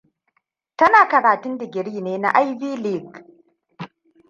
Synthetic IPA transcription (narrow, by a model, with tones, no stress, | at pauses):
tɐ˦naː˨kɐ˨ɽaː˨tʊ˦ndɪ˨ɡʲɪ˨ɽiː˦neː˦na̰˦ʔa˦jbiː˦li˦˨ɡ